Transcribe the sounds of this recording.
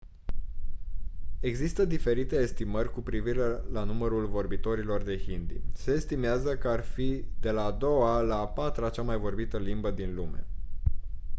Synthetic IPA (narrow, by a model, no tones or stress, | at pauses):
e̞ɡzist̪əd̪ife̞ɾit̪e̞ːst̪imərʲkupɾiviɾelanuməɾulvo̞rbit̪o̞ɾilo̞rd̪e̞hind̪ḭse̞ːst̪imeazəkəarfid̪e̞laːd̪o̞walapat̪ɾat͡ʃamajvo̞rbit̪əlimbəd̪inlume̞